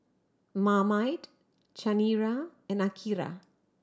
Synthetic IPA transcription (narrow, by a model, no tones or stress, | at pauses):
mamajt | t͡ʃaniɾaɛnakʰiɾa̰